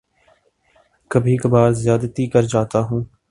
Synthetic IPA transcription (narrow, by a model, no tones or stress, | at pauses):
kəbʱiːkəbaːɾzɪjaːd̪t̪iːkəɾd͡ʒaːt̪aːɦũː